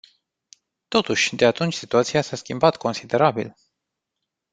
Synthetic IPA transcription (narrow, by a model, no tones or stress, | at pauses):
t̪o̞t̪uʃʲd̪e̞at̪unt͡ʃʲsit̪uat̪sijasaskʲimbat̪ko̞nsid̪e̞ɾabḭl